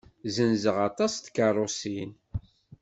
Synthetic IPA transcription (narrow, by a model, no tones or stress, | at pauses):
zənzəʁɑt̪ˤɑst̪kərˤːosin